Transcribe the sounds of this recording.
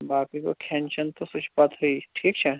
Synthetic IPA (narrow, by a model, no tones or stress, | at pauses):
baːkɾiko̰kʰɛːnt͡ʃənt̪osʊt͡ʃpat̪ɦuiʈʰiːkt͡ʃʰɛ